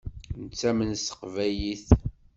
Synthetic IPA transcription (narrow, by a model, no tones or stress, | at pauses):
nət͡sːæmənsə̥qvæjiθ